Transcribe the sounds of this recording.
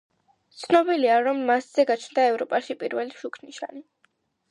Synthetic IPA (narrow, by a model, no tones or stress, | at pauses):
t̪sʰnɔbiliaɾɔmːasz̥ɛɡat͡ʃʰnd̪aɛvɾɔpʼaʃipʼiɾvɛliʃukʰniʃa̰ni